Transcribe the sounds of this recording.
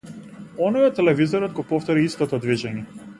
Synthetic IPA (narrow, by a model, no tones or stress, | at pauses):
ɔnɔjɔt̪ːɛlɛvizɔɾɔd̪̚ɡɔpɔft̪ɔɾiist̪ɔt̪ɔd̪viʒɛɲi